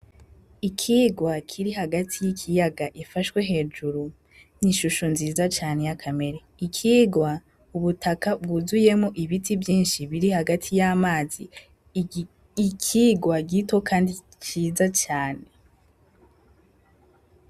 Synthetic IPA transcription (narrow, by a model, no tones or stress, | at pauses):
ikʰiɡwakʰiɾiɦaɡatʰijikʰijaɡaʔifaʃwe̞ɦe̞ːd͡ʒuɾu | niʃuʃonziːzat͡ʃaːne̞jakʰame̞ɾeikʰiːɡwa | uβutʰakabɡuzuje̞moʔiβitʰivjiːnʃiβiɾihaɡatʰijamaːzi | ikʰiːɡwaɡitokʰaːndi | t͡ʃiːzat͡ʃaːne̞